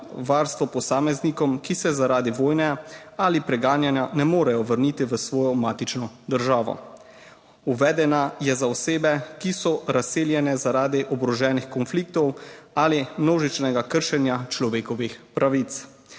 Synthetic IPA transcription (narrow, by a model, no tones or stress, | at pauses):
ʋaːɾst̪ʋɔpɔsaːmɛznikɔmkisɛzaɾaːd̪iʋoːjnɛalipɾɛɡaːnjanjanɛmoːɾɛjɔʋəɾniːt̪iʋəsʋɔːjɔmaːt̪it͡ʃnɔd̪əɾʒaːʋɔ̰ | uʋɛːd̪ɛnajɛzaɔseːbɛkisɔɾaseːljɛnɛzaɾaːd̪iʔɔbɾɔʒɛːnixkɔnfliːk̚t̪ɔwalimnoːʒit͡ʃnɛɡakəɾʃɛnjat͡ʃlɔʋeːkɔʋixpɾaʋit̪s